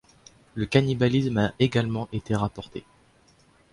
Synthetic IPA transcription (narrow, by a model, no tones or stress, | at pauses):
ləkanibalismaeɡalmɑ̃ʔet̪eʁapɔʁt̪ʰe